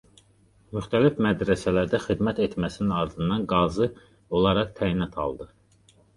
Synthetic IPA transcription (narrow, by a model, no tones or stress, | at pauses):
myxt̪ʰælifmæd̪ɾæsælæɾd̪æxid̪mæt̪et̪mæsininɑɾd̪ɯnd̪ɑnɡɑzɯ | o̞lˠɑɾɑχt̪ʰæjinɑt̪ʰɑ̰lˠd̪ɯ